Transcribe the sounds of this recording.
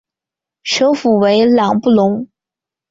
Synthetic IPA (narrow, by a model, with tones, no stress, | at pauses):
ʂo˧˥ʊfu˨˩we˧˥ɪlɑ˨˩ŋpu˥˩lʊ˧˥ŋ